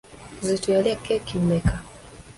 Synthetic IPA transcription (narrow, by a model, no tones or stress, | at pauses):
zitwaliakːekimeka